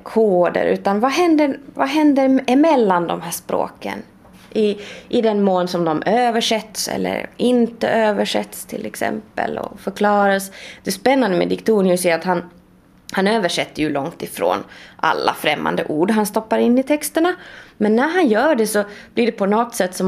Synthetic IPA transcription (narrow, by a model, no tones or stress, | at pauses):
kʰoːd̪ə̰ɾʉ̟ːt̪anvaɦɛnd̪əɾvaɦɛnd̪əɾmɛlːand̪ɔmɦæːʂpɾo̰ːkə̰n | ʔɪʔɪd̪ɛnmoːlsɔmd̪ɔmøːvəʂɛt̪ːsɛ̰lːə̰ɾɪnt̪ə̰ʔøːvəʂɛ̰t̪ːst̪ʰɪlɛksɛ̰mpə̰lɔ̰fœɾkʰlɑːɾasd̪̥ɛspɛnːand̪əmɛ̰d̪ɪkt̪ʰuːnɪʊsɛɾat̪han | hanøːvəʂɛt̪ːəjɵlɔŋt̪ɪfɾo̰ːnʔa̰lːa̰fɾɛmːa̰nd̪ə̰ʔuːɖɦanst̪ɔpːaɾɪnːɪt̪ʰɛkst̪əɳamɛnːæɾɦanjœːɖɛsɔb̥lɪɖɛpʰɔnɔt̪ːsɛt̪ːsɔm